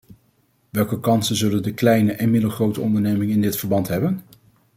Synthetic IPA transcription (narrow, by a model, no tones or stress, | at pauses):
ʋɛlˠkəkɑnsənzɵləndəklɛjnəʔɛnmɪdlˠχrowtəɔndəɹnejmɪŋəɪndɪtfəɹbɑntɦɛbən